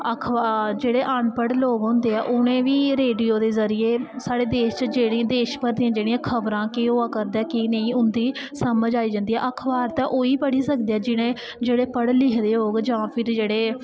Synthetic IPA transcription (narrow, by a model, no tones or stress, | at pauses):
əkʰad͡ʒeːɽeːʔəɳpəɽloːɡɦõnd̪eːɛːʔʊnẽːʋiːɾeːɖijoːd̪eːzəɾɪjeːsaːɽeːd̪eːʃt͡ʃəd͡ʒeːɽĩd̪eːʃpəɾd̪ijãːd͡ʒeːɽĩjãːkʰəbɾãːkiɦoːaːkəɾd̪ɛːkinə̃ĩːʊnd̪iːsəməd͡ʒaːiːd͡ʒãːnd̪iːɦɛ̰ːʔəkʰbaːɾt̪ãːʔoːiːpəɽiːsək̚d̪eːɛːd͡ʒɪñẽː | d͡ʒeːɽeːpəɽlɪkʰd̪eːɦoːɡd͡ʒãːpʰɪɾd͡ʒeːɽeː